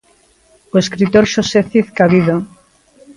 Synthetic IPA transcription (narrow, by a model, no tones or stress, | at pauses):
oeskɾit̪oɾʃoseθiθkaβiðo